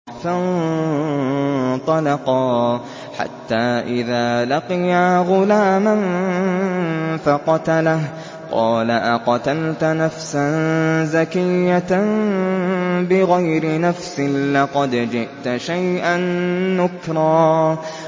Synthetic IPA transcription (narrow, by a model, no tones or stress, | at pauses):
fan | t̪ˤɑlɑqɑː | ħa̰t̪ːaːʔɪðaːlɑqɪjaːɣʊlaːman | faqɑt̪alah | qɑ̰ːlaʔaqɑt̪alt̪nafsanzakɪjːa | bɪɣajɾɪnafsɪlɑqɑd̪d͡ʒɪʔt̪ʃajʔanːʊkɾˤɑː